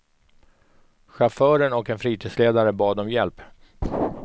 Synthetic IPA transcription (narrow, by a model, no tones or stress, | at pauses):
ɧafœːɾənɔkɛnfɾiːt̪ʰiːd̪sleːd̪aɾəbɑːd̪ɔmjɛlp